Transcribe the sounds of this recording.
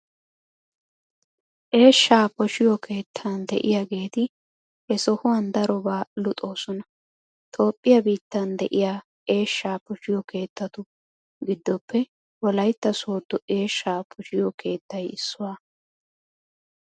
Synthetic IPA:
ʔe̞ːʃːaːpɔʃɪjɔkʰe̞ːt̪ʰːɐnd̪ɛ̰ʔɪjaɡe̞ːt̪ɪ | hɛsɔhʊwɐnd̪ɐɾɔbaːlʊt̪ʼo̞ːsɔnɐ | t̪ʰo̞ːpʼːɪjɐbiːt̪ːɐnd̪ɛ̰ʔɪjaː | e̞ːʃːaːpɔʃɪjɔkʰe̞ːt̪ːɐt̪ʊ | ɡɪd̪ːɔpːɛ | wɔlɐjt̪ːɐsoːd̪ːɔʔe̞ːʃːaːpʰɔʃɪjɔkʰe̞ːt̪ːɐjɪsːʊwaː

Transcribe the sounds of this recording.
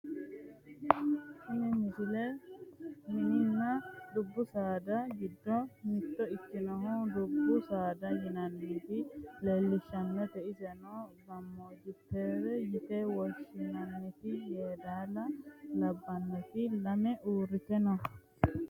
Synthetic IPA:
kinɛɲisilɛ | mininːadubːusaːdaɡidːɔmit̪ːɔit͡ʃːinɔhɔdubːusadajinanːit̪ilɛlːiʃanːɔt̪ɛisɛnɔɡamːod͡ʒitɛɾɛjit̪ɛwoʃinanːit̪ijɛːdalalabːanːɛt̪ilamɛʔuɾit̪ɛnɔ

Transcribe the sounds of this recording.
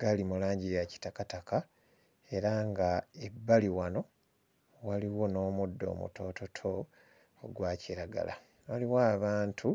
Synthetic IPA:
ɡalimulaːɲɟijaci̥takataka | e̞ɾaŋɡae̞bːaliwano̞ | waliwo̞no̞ːmudːo̞̰ːmṵto̞ːto̞tʰo̞ː | ɡwaːciɾaɡa̰la̰ | waliwaːβaːntʰu

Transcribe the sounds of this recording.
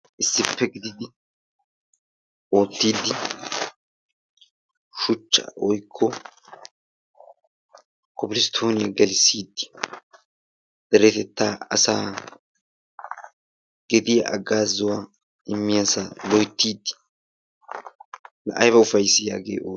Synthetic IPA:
ʔɪsːɪpʰːɛɡɪd̪ɪd̪ɪ | ʔo̞ːt̪ːiːd̪ːɪ | ʃʊt͡ʃːɐ̰ʔɔjkʰːɔ | kʰɔbɪlɪst̪ʰoːnɪjɐɡɐlɪsːiːd̪ːɪ̥ | d̪̥ɛɾɛt̪ɛt̪ːaːɐsaː | ɡ̥ɛd̪ɪjɐɐɡaːzːʊwa | ʔɪmːɪjasalɔjt̪ːiːd̪ | nɐʔɐjbɐʊfɐjsɪjaːɡḛːʔoː

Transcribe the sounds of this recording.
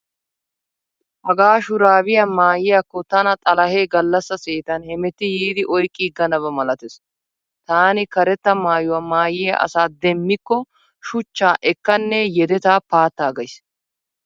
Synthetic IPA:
hɐɡaːʃʊɾaːbɪjɐmaːjɪjɐkːɔt̪ɐnɐt̪ʼɐlɐhe̞ːɡɐlːɐsːɐseːt̪ɐnhɛmɛt̪ːɪjiːd̪ɪʔɔjkʼːiɡɐnɐβɐmɐlɐt̪ɛs | t̪aːnɪkɐɾɛt̪ːɐmaːjʊwɐmaːjɪjɐ̰ʔɐ̰saːd̪ɛmːɪkːɔ | ʃʊt͡ʃːaːʔɛkːɐnːɛjɛd̪ɛt̪aːpaːt̪ːaːɡɐjs

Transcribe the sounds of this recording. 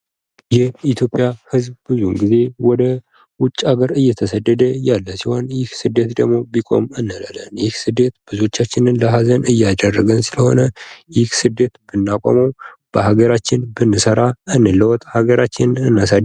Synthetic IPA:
jɛit̪ʰjo̞pʼjahɨzbbɨzunɡize̞wɔd̪ə | wʊt͡ʃʼːaɡəɾɨjːɛt̪ʰəsəd̪ːəd̪əjalːəsiho̞njɪhsɨd̪ːe̞t̪d̪əɡmo̞bikʼo̞̰mɨnːələlə̰njɪhsɨd̪ːe̞t̪b̥ɨzo̞t͡ʃːat͡ʃːɪnɨnləɦazənɨjːad̪ərːəɡənsɨləho̞̰nəjɪhsɨd̪ːe̞t̪b̥ɨnːakʷʼo̰məwb̥əhaɡəɾat͡ʃːɪnbɨnːɨsəɾaɨnːɨlːəwɔt̪ʼhaɡəɾat͡ʃːɪnɨnːasad̪

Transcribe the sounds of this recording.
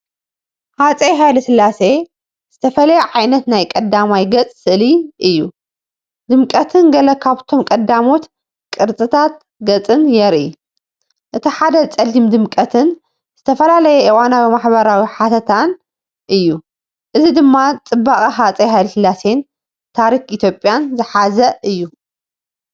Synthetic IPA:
hat͡sʼeɦajlɨsɨlːase̞ | z̥ɨt̪ʰɐfɐlɐjɛʕajnɐt̪najkʼɐd̪amajɡɐt͡sʼsɨʔliʔɨjːu | d̪ɨmkʼɐt̪ʰɨnɡɐlɐkʰaβt̪ʰo̞mkʼɐd̪amo̞t̪ | kʼɨɾt͡sʼɨt̪ʰat̪̚ | ɡɐt͡sʼɨnjɛɾi | ʔɨt̪ʰiħad̪ɐt͡sʼɐlːimd̪ɨmkʼɐt̪ʰɨn | z̥ɨt̪ʰɐfɐlalɐjɛʔiwanabɨmaħbɐɾawiħat̪ʰɐt̪ʰan | ʔɨjːu | ʔɨzid̪ɨmːat͡sʼɨbːaχʼiɦat͡sʼɐɦajlsɨlːase̞n | t̪ʰaɾikit̪ʰjo̞pʼjanzɨħazɐɨjːu

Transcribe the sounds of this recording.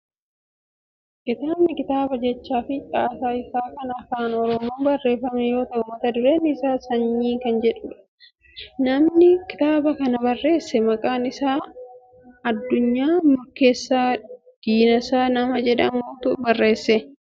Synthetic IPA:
kʼɪt̪aːmnɪkɪt̪aːbɐd͡ʒɛt͡ʃːaːfɪt͡ʃʼaːsaːɪsaːkɐnɐːfaːnɔɾɔmoːbɐrːe̞ːfɐmɛjo̞ːt̪ɐʔʊmːɐt̪ɐd̪ʊɾɛnɪsaːsɐɲːiːkɐnd͡ʒɛᶑʊᶑɐ̥ | nɐmnɪkɪ̥t̪aːbɐkɐnɐbɐrːe̞ːsːɛmɐkʼaːnɪsaː | ɐd̪ːʊɲːaːmʊɾke̞ːsːaː | d̪̥iːnɐsaːnɐmɐd͡ʒɛᶑɐmoːt̪ʊʔbɐrːe̞ːsːɛ

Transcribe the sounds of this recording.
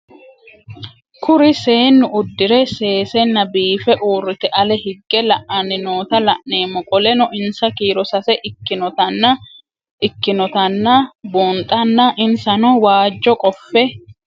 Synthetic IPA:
kʰʊɾɪse̞ːnːʊʊd̪ːɪɾɛse̞ːsɛnːɐbiːfɛʔuːrːɪt̪ɛʔɐlɛhɪɡːɛlɐʔɐnːɪnoːt̪ɐlɐʔne̞ːmːɔkʼɔlɛnɔʔɪnsɐkiːɾɔsɐsɛʔɪnɔɐnːɐ | ɪkːɪnɔt̪ɐnːɐbuːnt̪ʼɐnːɐʔɪnsɐnɔwaːd͡ʒːɔkʼɔfːɛ

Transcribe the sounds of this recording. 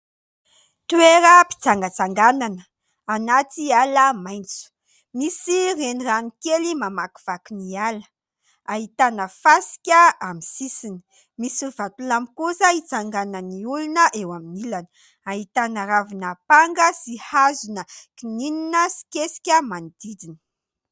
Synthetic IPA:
t̪ueɾəpi̥t͡saŋɡət͡saŋɡananə | anat̪ialəmajnt͡su̥ | misireniranikelimamaki̥v̥akunialə̥ | aɦit̪anəfasi̥kʲəamisisini̥ | misivat̪ulamikusəit͡saŋɡanəniulunəʔewaminilanə̥ | aɦit̪anaɾavinəpaŋɡəsihazunəkinininəsi̥kesi̥kʲəmanid̪̥id̪inə̥

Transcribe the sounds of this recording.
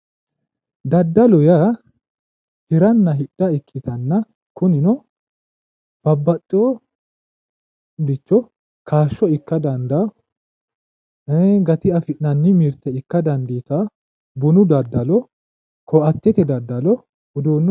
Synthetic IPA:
d̪ɐd̪ːɐlɔjɐ | hɪɾɐnːɐɦɪɗːɐɪkʰːɪt̪ɐnːɐ | kʊnɪnɔ | b̥ɐbːɐtʼːo | d̪ɪt͡ʃːɔ | kʰaːʃːɔɪkːɐd̪ɐnd̪ɐ | ɡɐt̪ɪɐfɪʔnɐnːɪmɪɾt̪ːɛɪkːɐd̪ɐnd̪iːt̪ɐ | bʊnʊd̪ɐd̪ːɐlɔ | kɔɐt̪ːɛt̪ɛd̪ɐd̪ːɐlɔ | ʊd̪oːnː

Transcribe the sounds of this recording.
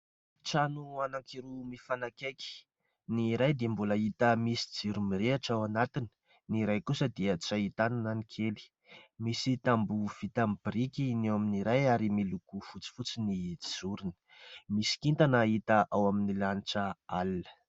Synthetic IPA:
ʈ͡ʂanuanaŋkiɾumifanakeki̥ | niɾajd̪iəmbulait̪əmisi̥d͡ziɾumiɾeaʈ͡ʂawanat̪ini̥ | niɾajkusəd̪iət͡sait̪anananikʰeli̥ | misit̪ambuv̥it̪ambɾikinewaminiɾajaɾimilukufut͡si̥fut͡siniizuɾini̥ | misi̥kint̪anait̪əʔawaminilaniʈ͡ʂəalnə̥

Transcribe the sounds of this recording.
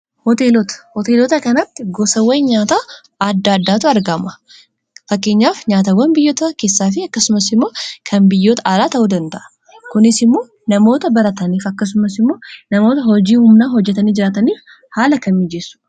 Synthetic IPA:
hɔt̪eːlɔt̪ɐ̥hɔt̪e̞ːlɔːt̪ɐkɐnɐt̪ːɪɡɔsɐwɐjɲaːt̪aː | ad̪ːaɐd̪ːaːt̪ʊɐɾɡɐmɐ | fɐkːe̞ːɲːaːfɲaːt̪ɐwɐnbɪjːoːt̪ɐke̞ːsːaːfɪɐkːɐsʊmɐsɪmːo̞ːkʰɐnbɪjːoːt̪ɐʔaːlaːt̪ɐʔuːd̪ɐnt̪ɐʔɐ̥ | kʊnɪsɪmːo̞ː | nɐmo̞ːt̪ɐbɐɾɐt̪ɐniːfɐkːɐs̬ʊmɐsɪmːo̞ːnɐmo̞ːt̪ɐhɔd͡ʒiːhʊmnaːɦɔd͡ʒːɛt̪ɐniːd͡ʒɪɾaːt̪ɐniːf | haːlɐkɐmɪd͡ʒeːsʊ̥

